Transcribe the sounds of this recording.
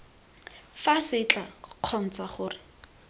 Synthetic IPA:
fasɪt͡ɬʼaq͡χʰɔn̩t͡saχʊːrɪ

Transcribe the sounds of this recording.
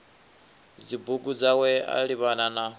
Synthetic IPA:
d͡zibuɡud͡zawɛa̰ɺiβanana

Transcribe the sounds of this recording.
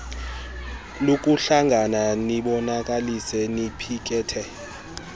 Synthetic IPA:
lok̬ʼuɬaŋɡʱananiɓɔnakʼalisɛnipʰik̬ʼɛːtʰɛ

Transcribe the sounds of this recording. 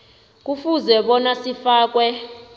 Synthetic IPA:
k̬ufuzɛɓɔnasifaːk̬wɛ

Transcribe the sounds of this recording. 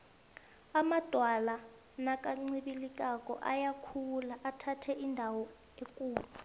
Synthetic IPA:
amad̥ʱwala | nakʼaŋ͡ǀiɓilikʼakʼɔ̰ʔa̰jakʰulaʔatʰatʰɛʔindʱawɔ | ekʼuːɓa

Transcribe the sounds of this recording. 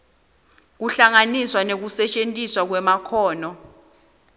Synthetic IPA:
k̬uɬaŋaniswanek̬usɛt͡ʃʼentʼiswak̬wɛmakʰɔːnɔ

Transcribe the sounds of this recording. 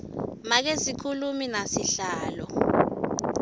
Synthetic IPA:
mak̬ezikʰuluminasiɬaːlɔ

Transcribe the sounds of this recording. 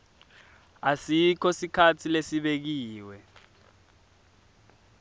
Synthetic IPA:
asikʰɔsikʰatʰilesiɓek̬iːwɛ

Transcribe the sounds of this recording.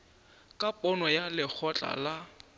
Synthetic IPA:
kʼapʼɔnɔjalɪk͡xʰɔt͡ɬʼa̰la

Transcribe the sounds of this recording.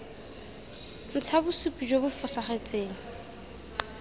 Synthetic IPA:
n̩t͡sʰabʊsupʼid͡ʒobʊfʊsaχet͡sʼeːŋ̩

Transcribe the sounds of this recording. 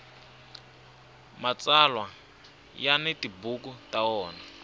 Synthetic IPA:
mat͡salwa | janetibukutaɔːna

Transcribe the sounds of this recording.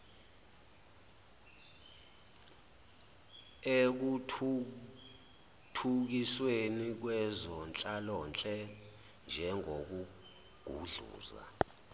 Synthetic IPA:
ek̬u | tʰuk̬iswenik̬wɛzɔnt͡ɬʼalɔːnt͡ɬʼɛ | nd͡ʒʱɛŋok̬u | ɡ̥ʱṵɮṵːza̰

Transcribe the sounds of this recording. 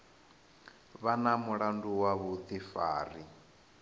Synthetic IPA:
βanamuɺanduwaβut̪ʰifa̰ːri

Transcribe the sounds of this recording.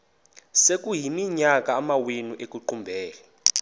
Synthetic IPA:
sek̬ʼuɦimiɲak̬ʼaːmawenuʔek̬ʼuǃumbʱɛːlɛ

